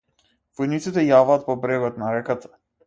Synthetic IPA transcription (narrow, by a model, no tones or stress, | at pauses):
vɔjnit̪sit̪ɛjavaːt̪̚pɔbɾɛɡɔt̪naɾɛkat̪ʰḁ